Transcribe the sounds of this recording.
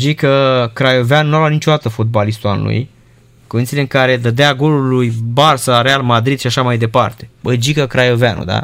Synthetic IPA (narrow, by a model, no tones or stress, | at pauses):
d͡ʒikəkɾajoveannualanit͡ʃo̞d̪at̪əfot̪̚balist̪ualṵj | koit̪ileɨŋkaɾe̞d̪əd̪eaɡo̞lulujbarsaɾealmad̪ɾid̪ʃiaʃamajd̪e̞pa̰rt̪e̞bəd͡ʒikəkɾajo̞veanṵd̪a̰